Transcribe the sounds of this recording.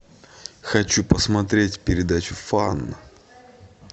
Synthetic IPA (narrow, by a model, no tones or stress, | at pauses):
xɐt͡ɕupəsmɐt̪ɾʲetʲpʲɪɾʲɪd̪at͡ɕʊfanːə